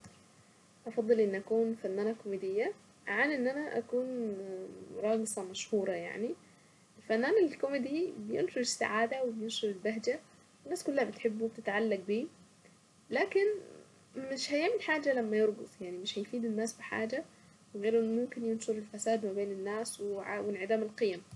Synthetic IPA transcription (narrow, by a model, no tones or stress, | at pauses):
ʔɑfɑd̪ˤːɨlʔɪnːʔakuːnfanːaːnakʊmɪd̪ɪjːa | ʔaʕaːnʔɪnːʔanaʔa̰kuːn | ɾˤɑːɡɨsˤɑmaʃhuːɾˤɑja̰ʕni | ʔɪlfanːaːnɪlkʊmɪd̪ibɪjɪ̰nʃʊɾɪsːa̰ʕaːd̪awɪbjɪnʃʊɾɪlbaɦd͡ʒa | wɪnːaːskʊlːahabɪt̪ħɪbːub̚t̪ɪt̪ʕalːaɡ̚biː | laːkɪn | mɪʃhajʔæːmilħaːd͡ʒalamːajeɾˤɡʊt̪ˤjaʕnimɪʃhæjfiːd̪ɪnːaːsbɪħa̰ːd͡ʒa | wɪɣeːɾʔɪnːmʊmkɪnjɪnʃʊɾɪlfasaːd̪mabeːnɪnːaːswɪʕa̰wɪnʕɪd̪aːmalqɨjam